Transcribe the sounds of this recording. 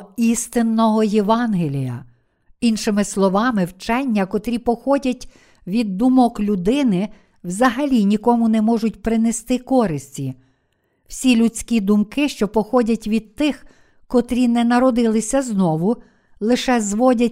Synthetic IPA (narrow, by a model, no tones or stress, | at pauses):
ist̪ɪnːɔɦɔjeʋɑnɦelʲijɐ̰ | inʃɪmɪslˠɔʋɑmɪwt͡ʃɛnʲːɐkɔt̪ɾʲipɔxɔdʲɐtʲ | ʋʲid̪ːumɔklʲʊd̪ɪnɪ | wzɐɦɐlʲinʲikɔmʊnɛmɔʒʊt̚ʲpɾɪnest̪ɪkɔɾɪsʲtʲi | w̥sʲilʲut͡sʲkʲid̪ʊmkɪʃt͡ʃɔpɔxɔdʲɐtʲʋʲid̪̚t̪ɪx | kɔt̪ɾʲinɛnɐɾɔd̪ɪlˠɪsʲɐznɔʋʊ | lˠɪʃɛzʋɔdʲɐ